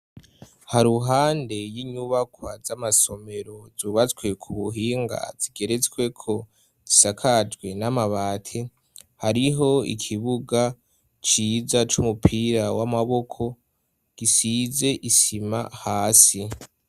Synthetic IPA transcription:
haɾuɦaːnde̞jiɲuβakwazamaso̞me̞ɾo̞zuːβat͡swe̞kʰuβuɦiːŋɡa̰z̥iɡe̞ɾe̞t͡swe̞kʰo̞ | z̥isakʰad͡ʒɡwe̞namaβaːtʰe | haɾiɦo̞ḭkʰiβuɡa | t͡ʃiːzat͡ʃumupʰiːɾawamaβo̞kʰo̞ | ɡ̥isiːze̞ʔisima̰haːsi

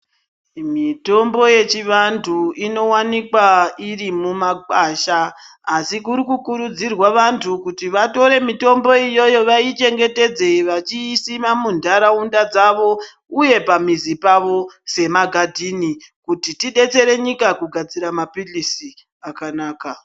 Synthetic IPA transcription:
mito̞mbo̞je̞t͡ʃiʋantʰuino̞wanikwairimumakaʃaː | sikuɾikukuɾud͡zirwaʋantʰukutiʋato̞ɾe̞mito̞mbo̞ijo̞jo̞ʋait͡ʃe̞ŋɡe̞te̞d͡ze̞ʋat͡ʃiːsimamundʱaɾaundad͡zaʋo̞ | uje̞pamizipaʋo̞se̞maɡʱadʱinikutitiɗe̞t͡se̞ɾe̞ɲikakuɡʱad͡ziɾamapilisi | akanaːka

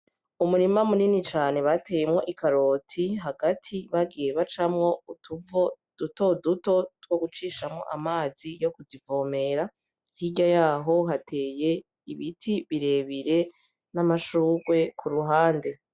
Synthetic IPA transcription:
umuɾimamuninit͡ʃaːne̞βate̞jemŋo̞ʔikaɾo̞tʰiɦaɡatʰiβaɡije̞βat͡ʃamŋo̞utuvo | d̥utoduto̞two̞ɡut͡ʃiːʃamŋo̞̰ʔamaːz̥ijo̞kuzivome̞ɾa | hiɟajaːɦo̞ɦatʰe̞ːje̞ | iβitʰiβiɾe̞βiɾe̞ | namaʃuːɡwe̞kʰuɾuɦaːnde̞

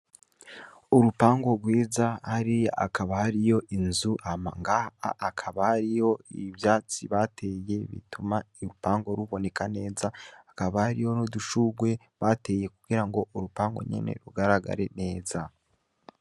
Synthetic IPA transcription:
uɾupaːŋɡo̞ɡwiːzahaɾia̰kaβahaɾijo̞ʔinzuʔamaŋɡaa̰ːkʰaβahaɾijo̞ḭβjaːt͡siβatʰe̞je̞βḭtumaiɾupaːŋɡo̞ɾuβo̞ne̞kane̞ːzaakaβahaɾijo̞noduʃuɡwe̞ | βate̞je̞kuɡ̥iɾaŋɡo̞ʔuɾupaːŋɡo̞̰ɲḛne̞̰ɾuɡaɾaɡa̰ɾe̞̰ne̞ːza

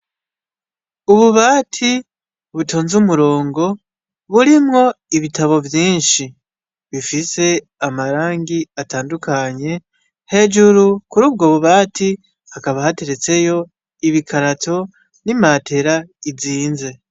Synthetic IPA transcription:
uβuβaːtʰi | βutʰoːnzumuɾo̞ːŋɡo̞ | βuɾimŋo̞iβitʰaβo̞vjiːnʃi | βifise̞ | amaɾaːŋɡiataːndukʰaɲe̞ | he̞d͡ʒuɾukuɾuːb̚ɡoβuβaːtʰi | hakaβahate̞ɾe̞t͡se̞jo̞ | iβikʰaɾatʰo̞ | nimatʰe̞ɾaiziːnze̞

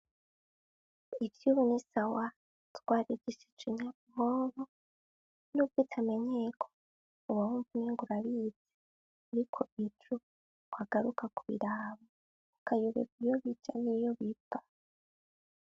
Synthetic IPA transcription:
ivjuβunisawa | twaːɾiɟiʃet͡ʃiɲa | moːβo | nub̚ɡiːtʰame̞ɲe̞kʰo̥ | uβawuːɱvuniŋɡuɾaβid͡ze | uɾikʰoit͡ʃu | kwaɡ̥aɾukakuβḭɾaːβa | ukʰajuβḛkijoβid͡ʒanijoβibḁ

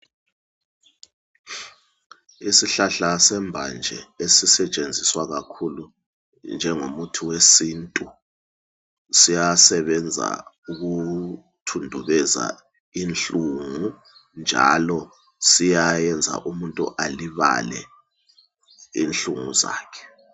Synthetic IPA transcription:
isiɬaɬasɛmbʱand͡ʒʱɛ̰esisɛt͡ʃʼend͡zʱiswaɣakʰulu | nd͡ʒʱɛŋomutʰiwesintʼu | sijasɛβɛnd͡zʱa̰ | uɣu | tʰundʱuβɛza̰ | inɬuŋu | nd͡ʒʱa̰lɔ | sijajɛnd͡zʱa̰ʔumuntʼṵʔaliβa̰lɛ̰ | ḭnɬuŋṵza̰ːkʰɛ̥

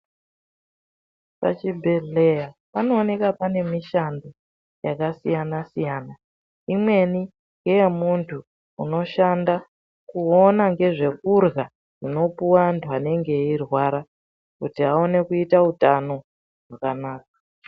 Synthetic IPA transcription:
pa̰t͡ʃibʱe̞ɮejapano̞ːne̞kapane̞miʃando | jakasijanasijaːna | imwe̞ni | ŋɡejemuntʰuː | no̞ʃanda | kuonaŋɡe̞ʐe̞kurɣa | rino̞puwandʰuane̞ŋɡe̞irwaɾa | kutiaone̞kuitautano̞ | ʐwakanaːk̚ḁ

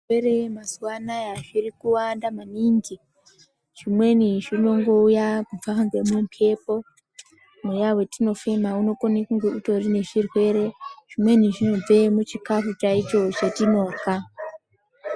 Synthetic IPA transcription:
weɾemaswanajaʐiɾikuwandamaniŋɡi | ʐ̥imwe̞niʐino̞ŋɡoujakufaaŋɡemwempʰe̞po̞ | mujawe̞tino̞femauno̞ko̞nekuŋɡeuto̞rine̞ʐirwe̞ɾe̞ʐ̥imwe̞niʐino̞b͡ve̞mut͡ʃikafut͡ʃait͡ʃo̞t͡ʃetino̞ːka

